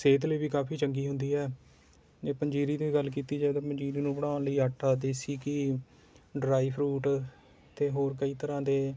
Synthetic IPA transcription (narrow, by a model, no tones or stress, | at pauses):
seːt̪ləːbiːkaːpʰiːt͡ʃəŋɡiːɦʊnd̪iːɦɛː | d͡ʒeːpəɲd͡ʒiːɾiːnũiːɡəlːkiːt̪iːd͡ʒeːd̪aːpəɲd͡ʒiːɾiːnũːbəɽ̃aːʊnləiːaːʈʰaːd̪eːsiːkɪ | ɖɾaːiːpʰɾuːʈ | t̪eːɦoːɾkəiːt̪əɾãːd̪eː